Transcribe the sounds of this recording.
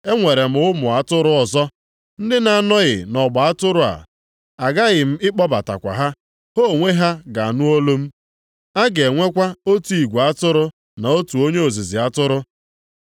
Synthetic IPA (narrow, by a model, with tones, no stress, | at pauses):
e˦ŋʷe˨ɾe˨m̩˨ʊ˦mʊ˨a˨tʊ˦ɾʊ˦ɔ˨zɔ˦ | n̩˦dɪ˦na˨nɔ˦ɣɪ̰˨nɔ˨ɡ͡ba˨a˦tʊ˦ɾʊ˦˨a̰˨ | a˨ɡa˦ɣɪ˨m̩˦ɪ˦k͡pɔ˦ba̰˨ta̰˨kʷa̰˨ɦa˦ | ho˦˨ŋʷe˦ɦa˦ɡa˨a˨nu˦o˦lo˦m̩˦ | a˦ɡe˨ŋʷe˦kʷa˦o˦tu˦i˨ɡʷa˦tʊ˦ɾʊ˦ | na˨o˦tu˨o˦ɲe˦o˨zi˨zɪ˨a˦tʊ˦ɾʊ˦